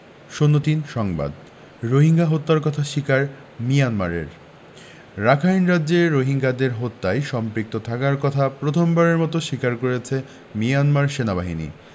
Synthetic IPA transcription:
ʃonːot̪inʃɔŋba̰d̪ | ɾoɦiŋɡaɦot̪ːaɾkɔt̪ʰaʃikaɾ | mijanmaɾḛɾ | ɾakʰajnɾadːʑeɾoɦiŋɡad̪eɾɦot̪ːajʃɔmpɾik̚t̪ot̪ʰakaɾkɔt̪ʰapɾot̪ʰombaɾeɾmɔt̪oʃikaɾkoɾet͡ɕʰe | mianmaɾʃenabaɦinḭ

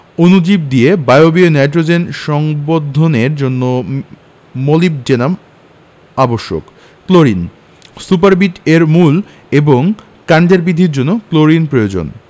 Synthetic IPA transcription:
onud͡ʑib̚d̪iebaeobionajʈɾod͡ʑenʃɔŋbod̪ʱːoneɾd͡ʑonːo | molib̚d͡ʑenam | aboʃːo̰k | kloɾin | supaɾbiʈeɾmul | eboŋ | kaɳd̪eɾbid̪ʱiɾd͡ʑonːokloɾinpɾojod͡ʑo̰n

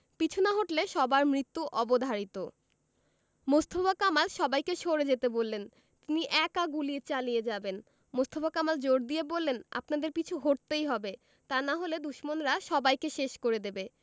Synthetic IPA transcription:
pit͡ɕʰunaɦoʈleʃɔbaɾmɾit̪ːuʔɔbod̪ʱaɾit̪o | most̪ʰobakamalʃɔbajkeʃoɾed͡ʑet̪ebolːen | t̪iniʔɛkaɡulit͡ɕalijed͡ʑaben | most̪ʰobakamald͡ʑoɾd̪iebolːena̰pnad̪eɾpit͡ɕʰuɦoʈ̚t̪ejɦɔbe | t̪anaɦoled̪uʃmonɾaʃɔbajkeʃeʃkoɾed̪ebe

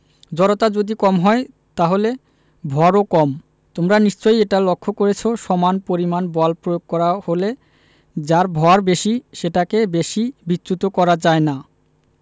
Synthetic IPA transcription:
d͡ʑɔɾot̪ad͡ʑod̪ikɔmɦɔe | t̪aɦole | bʱɔaɾokɔm | t̪omɾaniʃt͡ɕojeʈalokʰːokoɾet͡ɕʰoʃɔmanpoɾimanbɔlpɾojoɡ̚kɔɾahole | d͡ʑaɾbʱɔaɾbeʃiʃeʈakebeʃibitːɕut̪okɔɾad͡ʑaena

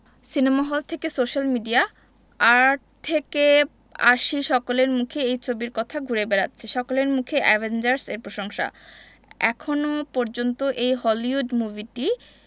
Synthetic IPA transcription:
sinemaɦɔlt̪ʰekesoʃalmiɖia | aɾʈt̪ʰːeke | a̰ʃiʃɔkoleɾmukʰeejt͡ɕʰobiɾkɔt̪ʰaɡʱuɾebeɾa̰tːɕʰeʃɔkoleɾmukʰeʔɛbʱend͡ʑaɾseɾpɾoʃoŋʃa̰ | ɛkʰonopɔɾd͡ʑont̪oʔejɦɔliuɖmuviʈi

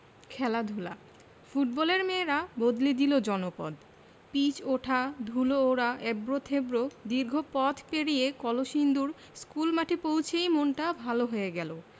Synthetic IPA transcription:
kʰɛlad̪ʱula̰ | fuʈ̚bɔleɾmeɾabod̪lid̪ilod͡ʑɔnopɔ̰d̪ | pit͡ɕoʈʰad̪ʱulooɾaʔebɾot̪ʰebɾod̪iɾɡʱopɔt̪ʰpeɽijekɔloʃind̪uɾ | skulmaʈʰepowt͡ɕʰejmonʈabʱaloɦoeɡɛlo

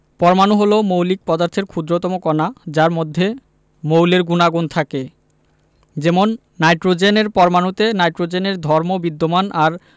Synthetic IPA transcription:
pɔɾmanuɦolomowlik̚pɔd̪aɾt̪ʰeɾkʰud̪ɾot̪ɔmokɔnad͡ʑaɾmod̪ʱːe | mowleɾɡunaɡont̪ʰake | d͡ʑemonː | ajʈɾod͡ʑeneɾpɔɾmanut̪enajʈɾod͡ʑeneɾd̪ʱɔɾmobid̪ːomanaɾ

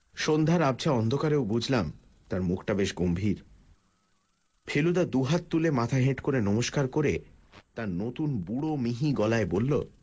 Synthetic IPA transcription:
ʃond̪ʱaɾab̚t͡ɕʰaɔnd̪ʱokaɾeobud͡ʑʱlam | t̪aɾmukʰʈabeʃɡombʱiɾ | pʰelud̪ad̪uɦat̪t̪ːulemat̪ʰaɦeʈkoɾenɔmoʃkaɾkoɾet̪aɾnot̪unbuɽomiɦiɡɔlaebolːo̰

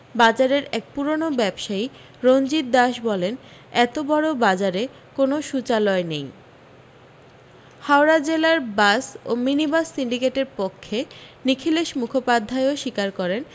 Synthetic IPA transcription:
bad͡ʑaɾeɾɛk̚puɾonobɛbʃai | ɾond͡ʑit̪̚d̪aʃbɔlen | ɛt̪obɔɽobad͡ʑaɾe | konoʃut͡ɕalɔenej | haoɾad͡ʑelaɾbaso̰minibasːiɳɖikeʈeɾpokʰːenikʰileʃmukʰopad̪ʱːaeoʃikaɾkɔɾen

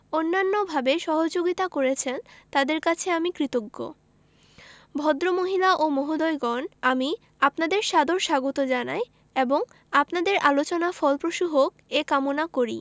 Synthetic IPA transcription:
onːanːobʱabeʃɔɦod͡ʑoɡit̪akoɾet͡ɕʰent̪ad̪eɾkat͡ɕʰeamikɾit̪oɡːo̰ | bʱɔd̪ɾomoɦilaʔomɔɦod̪ɔjɡɔnami | apnad̪eɾʃad̪ʱoɾʃaɡot̪od͡ʑanaj | eboŋ | apnad̪eɾʔalot͡ɕonafɔlpɾoʃuɦokekamonakoɾḭ

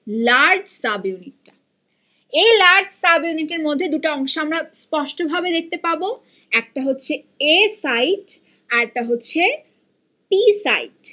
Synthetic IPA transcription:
laɾɖsabjuniʈːa | elaɾɖsabjuniʈeɾmod̪ʱːed̪uʈaɔŋʃoamɾaspɔʃʈobʱabed̪ek̚ʰt̪epaɾbo | ɛk̚ʈaɦotːɕʰe | esajʈ | aɾʈaɦotːɕʰe | pisa̰jʈ

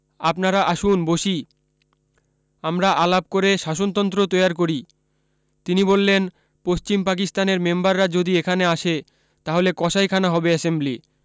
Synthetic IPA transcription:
apnaɾaʔaʃunboʃi | amɾaʔalap̚koɾeʃaʃont̪ɔnt̪ɾot̪ojaɾkoɾi | t̪inibolːen | post͡ɕimpak̬ist̪aneɾmembaɾːad͡ʑod̪iekʰaneaʃe | t̪aɦolekɔʃajkʰanaɦɔbeɛsembli

